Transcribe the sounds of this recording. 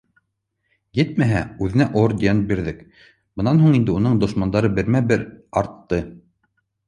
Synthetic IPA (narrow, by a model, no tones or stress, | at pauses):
jɘt̪̚mæɦæʉðɘ̆næʔoɾd̪ʲent̪̚biɾðɘk | bɤ̆nɑnɦuɴind̪ɘunɤɴd̪ŏʃmɑnd̪ɑɾɤbɘ̆ɾmæbɘɾɑɾt̪ːɤ